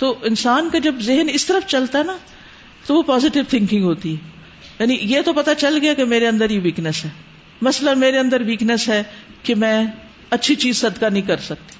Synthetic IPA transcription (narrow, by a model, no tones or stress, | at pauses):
t̪oːɪnsaːnkad͡ʒɐbzɪɦənɪst̪əɾəfʰt͡ʃɐlt̪aɦɛna | t̪oʋopaːzɪʈɪʋt̪ʰɪ̃ŋkɪ̃ŋɡɦoːt̪iɦɛː | jaːnijeːt̪opɐt̪at͡ʃɐlɡɪjakemeːɾeə̃nd̪əɾiʋiːknəsɦɛː | mɐslameːɾeə̃nd̪əɾʋiːknəsɦɛːkemɛ̃ː | ɐtːʃʰit͡ʃiːzsɐd̪kanəɦĩkɐɾsɐk̚t̪i̥